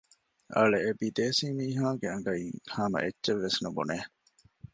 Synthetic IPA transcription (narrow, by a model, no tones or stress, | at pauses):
ʔɐ̰ɭeːbid̪eːsiːmiːɦaːɡeɐŋɡɐiŋhaːmɐ̰ʔetːʃeʋːesnubṵneː